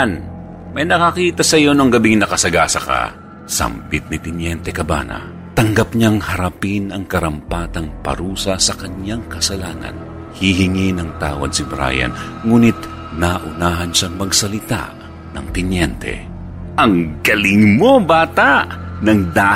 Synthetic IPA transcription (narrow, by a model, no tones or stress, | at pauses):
n | mɐjnɐkɐkiːt̪ɐsɐjo̞noŋɡɐbiŋnɐkɐsɐɡasɐka̰ | sɐ̰mbɪt̪̚nɪt̪ɪnjɛnt̪ɛkɐba̰nɐ̰ | t̪ɐŋɡɐpɲaŋhɐɾɐpinɐŋkɐɾɐmpaːt̪ɐŋpɐ̰ɾuːsɐsɐkɐɲjaŋkɐsɐlaːnɐ̰n | hiɦɪŋinɐŋt̪aːwɐ̰d̪̚sɪbɾa̰jɐ̰n | ŋuːnɪt̪ | naʔʊnaːɦɐnʃaŋmɐɡsɐlɪt̪a̰ʔ | nɐ̰ŋt̪ɪnjɛnt̪ʰɛ̰ | ʔɐŋɡɐlɪŋmo̞baːt̪aʔnɐŋd̪a